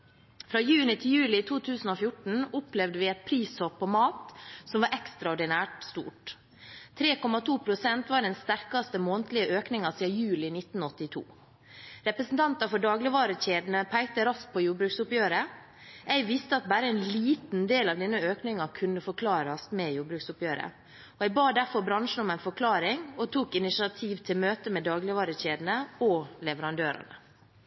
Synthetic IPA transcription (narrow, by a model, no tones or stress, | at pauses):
fɾɑːjʉːnɪt̪ʰɪljʉːlɪt̪ʰuːt̪ʰʉːsn̩oːfjʊʈɳ̩ʊplɛʋd̪əʋɪɛt̪̚pʰɾiːsɔpʰːɔmɑːt̪sɔmʋɑːɾʔɛkst̪ɾɑɔɖɪnæːʈst̪ṵːʈ | t̪ʰɾeːkɔmɑt̪ʰuːpʰɾʊsɛnt̪ʋɑːɖɛnst̪æɾkɑst̪əmoːnt̪lɪəʔøːknɪŋɑsiːɑjʉːlɪnɪt̪n̩ɔt̪ːɪt̪ʰṵː | ɾɛpɾəsn̩t̪ʰɑnt̪ɑfɔɖɑːɡlɪʋɑːɾəçeːd̪n̩əpʰæɪt̪əɾɑst̪̚pʰɔjuːbɾʉːksʊpjøːɾə | ʔæɪʋɪst̪əɑt̪̚bæːɾəɛnliːt̪n̩d̪eːlɑʋd̪ɛnːəøːknɪŋɑkʰʉnːəfɔɾkʰlɑːɾɑst̪mɛjuːbɾʉːksʊpjøːɾə̰ | ɔɛɪbɑːd̪æɾfɔɾbɾɑnʂn̩ɔmæɪnfɔɾkʰlɑːɾɪŋɔt̪ʰuːkɪnɪsɪɑt̪ʰiːʋt̪ʰɪlmøːt̪əmɛd̪ɑːɡlɪʋɑːɾəçeːd̪n̩əɔlɛʋəɾɑnd̪øːɾɑ̰nə̰